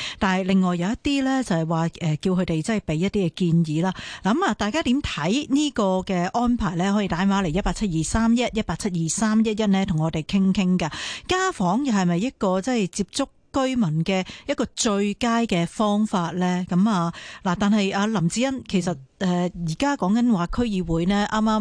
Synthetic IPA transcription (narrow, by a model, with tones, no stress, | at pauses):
t̪aː˨nhɐ˨jlɪ˨ŋːɔː˨jːɐ˧wjɐ˥t̪iː˥lɛː˥t͡sɐ˨hɐ˨jwaː˨ʔɛː˨ki˧wkʰɵ˧ɥt̪e˨jt͡sɐ˥ɐ˨˩jpe˨˥jɐ˥t̚t̪ːiː˥kɛ˧kiː˧njiː˨˥laː˥laː˨˩kɐ˨˦maː˨˩t̪aː˨jkaː˥t̪i˨˥mt̪ʰɐ˨˥jniː˥kɔː˧kɛː˧ʔɔː˥npʰaː˨˩jlɛː˥hɔ˨˥jiː˧t̪aː˨˥maː˨˥le˨˩jɐ˥tpaː˧k̚t͡sʰɐ˥t̚jiː˨saː˥mjɐ˥t̚jɐ˥t̚paː˧k̚t͡sʰɐ˥t̚jiː˨˩saː˥mjɐ˥t̚jɐ˥t̚nɛː˥t̪ʰʊ˨˩ŋɔː˨˧t̪e˨jkʰɪ˥ŋkʰɪ˥ŋkɐ˧kaː˥fɔː˨˥ŋjɐ˨whɐ˨˩jmɐ˨jːɐ˥t̚kɔː˧t͡sɐ˥˨jt͡siː˧p̚t͡sʊ˥kːɵ˥ɥmɐ˨˩nkɛː˧jɐ˥t̚kɔː˧t͡ʃɵ˧ɥkaː˥jkɛː˧fɔː˥ŋfaː˧t̚lɛː˥kɐ˨˦mɐː˨˧laː˨˩t̪aː˨nhɐ˨jaː˧lɐ˨˩mt͡siː˨˥jɐ˥nkʰe˨˩jsɐ˨t̚ʔɛː˨˩jiː˨˩kaː˥kɔː˨˥ŋkɐ˨˥nwaː˨kʰɵ˥ɥjiː˨˧wuː˨˥jnɛː˥ʔaː˥maː˥m